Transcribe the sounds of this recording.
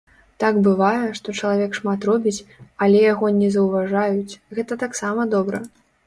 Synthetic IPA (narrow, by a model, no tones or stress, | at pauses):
t̪aɡbɨvajɛʂt̪ɔt͡ʂɐlˠavʲɛkʂmat̪rɔbʲit͡sʲɐlʲɛjaɣɔnʲɛzɐwvaʐajut͡sʲɣɛt̪ɐt̪aksamɐd̪ɔbɾɐ